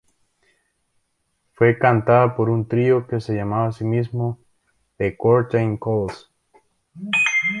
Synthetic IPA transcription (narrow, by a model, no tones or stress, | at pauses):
fwe̞kant̪aðapo̞ɾunt̪ɾio̞kese̞ʝamaβaːsimizmo | ðekoɾt̪ejŋkols